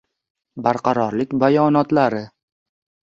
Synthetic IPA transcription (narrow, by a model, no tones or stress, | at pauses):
baɾqʰɑɾɒɾlɪkʲbajɒnɒt̪laɾɪ